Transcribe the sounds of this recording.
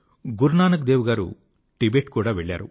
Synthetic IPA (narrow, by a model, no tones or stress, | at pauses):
ɡuɾnaːnɐk̬d̪eːʋuɡaːɾṵ | ʈibeːʈkuːɽaːʋeɭːa̰ːɾṵ